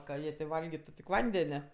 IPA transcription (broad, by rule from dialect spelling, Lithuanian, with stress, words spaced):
kɐ ˈjiɛ tʲeː ˈʋɐlʲɡʲɪtʊ tʲɪk ˈʋɐnʲdʲɛnʲɛ